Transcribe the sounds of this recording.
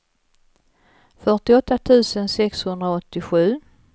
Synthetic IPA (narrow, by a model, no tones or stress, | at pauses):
fœʈɪɔt̪ːat̪ʰʉ̟ːsənsɛkshɵnd̪ɾaɔt̪ːɪɧʉ̟ː